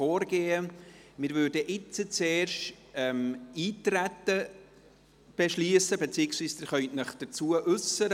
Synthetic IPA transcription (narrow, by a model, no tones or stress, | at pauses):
oːɾɡeːəmɪɾvʏːɾdəʔɪt͡sət͡seːɾʃt | ɛmiːtɾætə | b̥eʃliəsəbet͡siːɪksviːsd̥̪ɪɾχœʏtnəχd̥ət͡suəʔʉsəɾə